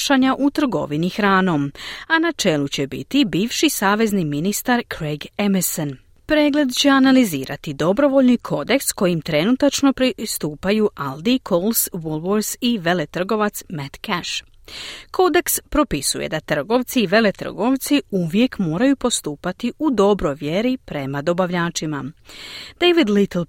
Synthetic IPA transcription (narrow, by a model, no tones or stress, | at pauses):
ʃaɲaʔut̪r̩ɡo̞̰ʋinixɾaːno̞manat͡ʃe̞lut͡ɕe̞bḭt̪ibiːʋʃisaːʋe̞zniminist̪aɾkɾeɡemson | pɾe̞ːɡle̞d̪t͡ɕe̞analizḭːɾa̰t̪id̪o̞bɾo̞ʋo̞ʎnikʰo̞d̪e̞ksko̞jimt̪ɾe̞nut̪at͡ʃno̞pɾist̪uːpajuːʔald̪ikʰolsʋulˠʋoɾsiʋele̞t̪r̩ɡo̞ʋat̪smet̪kɛʃ | kʰo̞d̪e̞kspɾo̞pisujḛd̪at̪r̩ɡo̞ʋt̪siːʋe̞le̞t̪r̩̰ɡo̞ʋt̪siuʋje̞kmo̞ːɾajupo̞st̪uːpat̪iud̪o̞bɾo̞jʋje̞ɾipɾe̞mad̪o̞baʋʎaːt͡ʃima̰ | d̪̥ejʋid̪lit̪l̩ˠ